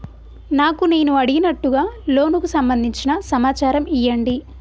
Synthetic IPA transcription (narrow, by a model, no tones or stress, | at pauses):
naːkune̞ːnuɐɽiɡinɐʈːuɡaːlo̞ːnukusɐmbɐnd̪ʱiɲt͡ʃinɐsɐmaːt͡ʃaːɾɐmijːɐɳɖi